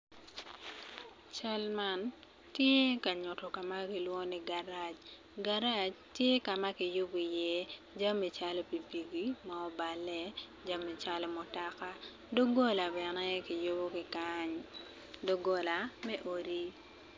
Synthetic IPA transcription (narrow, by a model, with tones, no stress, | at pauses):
t͡ʃa˦lma˦n | tje˦ka˨ɲʊ˨tɔ˨ka˨ma˦kɪ˨lwɔ˦ni˨ɡa˨ɾa˨t͡ʃ | ɡa˦ɾa˦t͡ʃtje˦ka˨ma˦kɪ˨jʊ˦bɔ˨i˨jɛ˦ | d͡ʒa˦mːi˨t͡ʃa˦lɔ˦pi˨bi˨ɡi˦maɔ˦ba˨lɛ˦ | d͡ʒa˦mːi˨t͡ʃa˦lɔ˦mo˨ta˨ka˦ | do˦ɡo˦la˨bɛ˨nɛ˦kɪ˨jʊ˦bo˦kɪ˨kaɲ | do˦ɡɔ˦la˨mɛ˦ʔo˨ɾi˦